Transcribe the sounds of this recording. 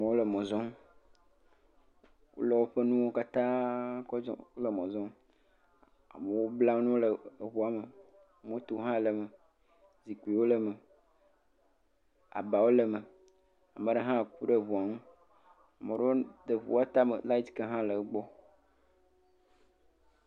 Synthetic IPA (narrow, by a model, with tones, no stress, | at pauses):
mẽ˨wo˦lə˨mɔ̃˨zɔ˦m | wo̰˦lɔ˨wo˦ɸə˦nũ˦wo˦ka˦t̪ã˦kɔ˦d͡ʒɔ̰˦o˦lə˨mɔ̃˨zɔ̃˦m | a̰˨mə˨wo˦bla˦wo˦nũ˦lə˨βu˦a˨mə˨ | m˦o˦t̪o˦ɦã˦˨lə˨mə˨ | zi˨ki˨wo˦lə˦mə˨ | a̰˨ba˨wo˦lə˨mə˨ | a˨mə˨ɖe˦ɦã˦˨ku˦ɖe˦˨βu˨a˨mũ˦ | a˨mẽ˨ɖe˦wo˦d̪ə˨βṵ˨wa˦t̪a˦mə̰˨la˦i˦t̪ka˦ɦã˦lə˨˦ɡ͡bɔ˦